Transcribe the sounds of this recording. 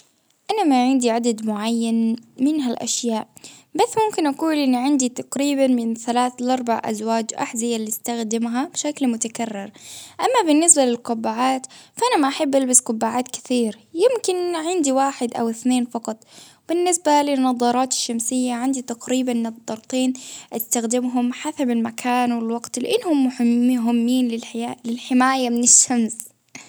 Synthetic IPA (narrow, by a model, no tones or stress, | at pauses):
ʔanamaʕɪnd̪iʕad̪ad̪mʊʕajːanmɪnɦalʔa̰ʃjaːʔbasːmʊmkɪnʔaquːlʔɪnːiʕɪnd̪it̪aqɾiːbanmɪnθalaːθlʔɑɾˤba̰ʕʔa̰zwaːd͡ʒʔa̰ħzɪjalist̪axd̪ɪmɦabʃaklmʊt̪akarːɪɾʔamːabɪnːɪsbalɪlqʊbːaʕaːt̪faʔanamaʔaħabːʔalbasqʊbːaʕaːt̪kɪ̥θiːɾ | jɪmkɪnʕɪnd̪iwaːħɪd̪ʔa̰wɪθneːnfɑqɑt̪ˤb̥ɪnːɪsbalɪnːɑðˤɑɾˤɑːt̪ɪ̥ʃːamsɪjːaʕɪnd̪it̪aqɾiːbanːɨd̪ˤːɑɾˤt̪ˤiːnʔɪst̪axd̪ɪmɦʊmħasabɪlmakʰaːnwɪlwɑɡt̪lɪ̰ʔɪnːhʊmːʊħɪɦɪmːiːnlɪlɪlħɪmaːjamɪnɪʃːams